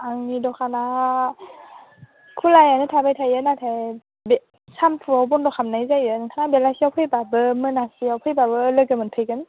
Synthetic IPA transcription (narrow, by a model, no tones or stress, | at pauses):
aŋidɔkʰana | kʰulajanɯtʰabajtʰajɯnatʰaj | be | sampʰuawbɔndɔkʰamnajzajɯnkʰanabelasiawpʰɯjbabɯmɯnasiawpʰɯjbabɯlɯɡɯmɯnpʰejɡɯn